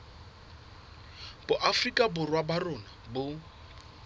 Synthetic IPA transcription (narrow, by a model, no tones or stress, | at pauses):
bʊʔafrikʼabʊrwabarʊnabʊ